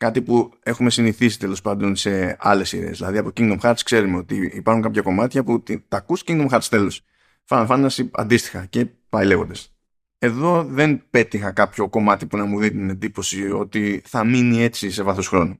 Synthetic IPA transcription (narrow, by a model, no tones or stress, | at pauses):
kɐt̪ipue̞xume̞siniθisi̥t̪e̞lo̞spɐnd̪o̞nse̞ɐle̞siðe̞̰zðilɐðiɐpo̞ciŋɡd̪o̞mxɐɾt̪skse̞ɾumeo̞t̪iipɐɾxuŋkɐpçɐko̞mɐt̪çɐput̪it̪ɐkusciŋd̪omxɐɾt̪ist̪e̞los | fɐnfɐnɐsiɐ̰nd̪ist̪i̥xɐce̞ | pɐile̞ɣo̞nd̪ɐs | e̞ðo̞ðe̞npe̞t̪ixɐkɐpço̞ko̞mɐt̪ipunɐmuðit̪inend̪ipo̞sio̞̰t̪iθɐminie̞t͡sise̞vɐθo̞sxɾo̞nu